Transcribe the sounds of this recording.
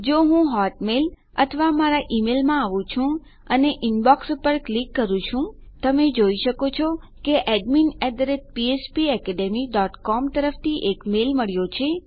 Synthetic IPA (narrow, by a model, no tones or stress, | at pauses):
d͡ʒoɦũɦɔʈmel | ət̪ʰəʋamaɾaʔimelmãaʋũt͡ʃʰũ | əneʔinbɔkspəɾklikːəɾũt͡ʃʰũt̪əmed͡ʒoiʃəkot͡ʃʰɔ | keʔɛɖminɛd̪əɾet̪̚piespiɛkɛɖemiɖɔʈkɔmt̪əɾəft̪ʰiʔekmelməɭjot͡ʃʰe